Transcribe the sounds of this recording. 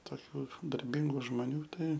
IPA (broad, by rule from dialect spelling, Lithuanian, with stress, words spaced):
toːˈkʲuː dɐrʲˈbʲɪŋɡuː ʒmoːˈnʲuː ˈtɐɪ